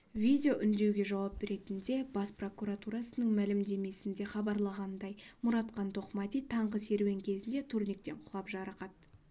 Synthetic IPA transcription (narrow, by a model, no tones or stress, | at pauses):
vʲijd̪ʲeo̞ʔʏnd̪e̞wɡʲe̞ʒɑwɑp̚be̞ɾe̞t̪ɪnd̪e̞b̥ɑspro̞kuat̪uɾɑsənəɴmælɪmd̪e̞me̞sɪnd̪e̞χɑbɑɾlˠɑʁɑnd̪ɑjmʊɾɑt̪qɑnt̪ʰo̞qmɑt̪ijt̪ʰɑɴʁəse̞ɾwe̞ŋkʲʰe̞zɪnd̪e̞t̪ʰurnʲik̚t̪e̞ɴqʰʊʁɑpʒɑɾɑqɑt̪̚